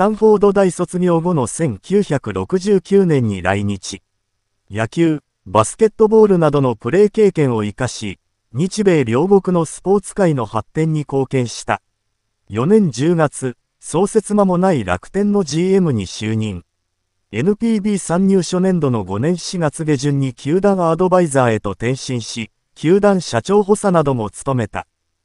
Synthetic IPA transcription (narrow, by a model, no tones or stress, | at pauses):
sãɰ̃ɸo̞ːd̪o̞d̪aiso̞t͡sɨɡʲooɡo̞no̞sẽ̞ŋkʲɨːçakɯ̟ɾo̞kɯ̟ʑɨːkʲɨːnẽ̞ɲ̟ːḭɾa̰iɲ̟it͡ɕi | jakʲɨː | basɨ̥ke̞t̪ːo̞bo̞ːɾɯ̟nad̪o̞no̞pɯ̟ɾe̞ːke̞ːkẽ̞ɰ̃o̞ikaɕi | ɲ̟it͡ɕibe̞ːɾʲo̞ːɡo̞kɯ̟no̞sɨ̥po̞ːt͡sɨ̥kaino̞hat̪ːẽ̞ɲ̟ːiko̞ːkẽ̞ɰ̃ɕi̥t̪a̰ | jo̞nẽ̞ɲ̟d͡ʑɨːɡat͡sɨ | so̞ːse̞t͡sɨmamo̞naiɾa̰kɯ̟̥t̪ẽ̞nːo̞ʑiːe̞mɯ̟ɲ̟iɕɨːɲ̟ĩŋ | e̞nɯ̟pʲiːbʲiːsãɲ̟ːɨːɕo̞nẽ̞nd̪o̞no̞ɡo̞nẽ̞ɰ̃ɕiɡat͡sɨɡe̞ʑɨ̃ɲ̟ːikʲʰɨːd̪ãɰ̃ad̪o̞baizaːe̞t̪o̞t̪ẽ̞ɰ̃ɕĩɰ̃ɕi | kʲʰɨːd̪ãɰ̃ɕat͡ɕo̞ːɦo̞sanad̪o̞mo̞t͡sɨ̥t̪o̞me̞t̪a̰